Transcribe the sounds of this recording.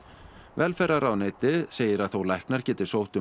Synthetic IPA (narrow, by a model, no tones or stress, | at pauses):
vɛlfɛɾaɾawneːjt̪ɪðseːjɪɾaðθowlajhknaɾ̥cɛːt̪ɪ̥sowht̪ʏ